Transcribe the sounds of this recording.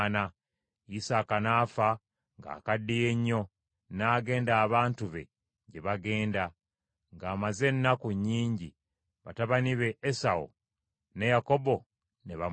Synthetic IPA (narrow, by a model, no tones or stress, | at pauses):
na | isaːkanaːfa | ŋɡa̰ːkadːije̞ɲːo̞ | naːɡe̞ːndaːβaːntuβe̞̰ | ɟe̞βaɡe̞ːnda | ŋɡaːmaze̞nːakuɲːiːɲɟi | βataβaniβe̞ʔːsao̰ | ne̞jako̞bo̞ | neβa